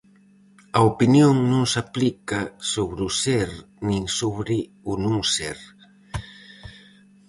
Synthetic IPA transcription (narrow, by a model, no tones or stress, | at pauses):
ɐopinjoŋnũŋsaplikasoβɾusɛɾ | nĩŋsoβɾɪ | unuŋsɛɾ